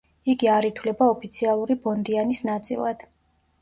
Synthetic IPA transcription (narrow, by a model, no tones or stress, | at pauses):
iɡiaɾit̪ʰwlɛbaɔpʰit̪sʰialˠuɾibɔnd̪ianisnat̪sʼḭlˠa̰d̪̥